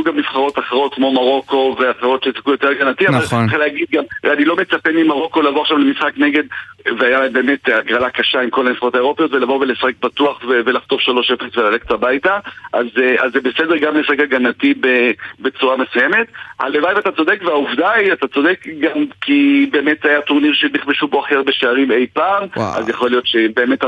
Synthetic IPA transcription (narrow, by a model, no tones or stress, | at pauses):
juɡamniv̥χaʁo̞taχeʁ̞o̞t̚kmo̞maʁo̞ko̞veaχeʁo̞tʃesakujo̞te̞ʁɡanatiavalχaleːɡid̪̚ɡamʁanilo̞met͡sapenimaʁo̞ko̞lavoaʃamlemisχakne̞ɡe̞d̪veajalaembe̞ːme̞taɡʁalakaʃaimko̞lamifχaʁo̞tae̞ʁ̞o̞pejo̞tve̞lavovelesaχek̚batuaχvevelaχt̪o̞fʃalo̞ʃefesvelalektabajtaʔa̰zazːebesedeʁɡamesaχekaɡanatibebet͡suʁame̞sujeme̞tha̰levajivatat͡so̞dekveauvdaiatat͡so̞de̞kɡamkibeːmetzajatoʁniʁʃeniχbeʃubo̞aχeʁbe̞ʃeaʁimejpaːmʔa̰zjaχo̞lijo̞tʃebe̞ːme̞ta